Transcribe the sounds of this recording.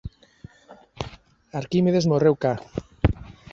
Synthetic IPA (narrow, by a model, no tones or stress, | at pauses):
aɾkimeðezmorewka